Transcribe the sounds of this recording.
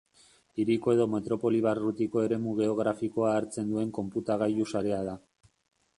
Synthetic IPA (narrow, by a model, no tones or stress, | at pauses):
iɾiko̞e̞ðo̞me̞t̪ɾo̞po̞liβ̞arut̪iko̞e̞ɾe̞muɣe̞o̞ɣ̞ɾafiko̞aːɾt͡se̞nd̪ue̞ŋko̞mput̪aɣajusaɾe̞aða